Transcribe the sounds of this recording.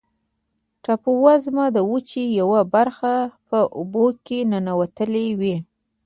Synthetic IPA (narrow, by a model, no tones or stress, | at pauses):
ʈapuwazmad̪əwut͡ʃijawabaɾxapəʔʊbokenənawat̪əlewi